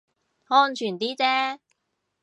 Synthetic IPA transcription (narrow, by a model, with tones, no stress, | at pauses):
ŋɔː˥nt͡ʃʰyː˨˩nt̪iː˥t͡sɛː˥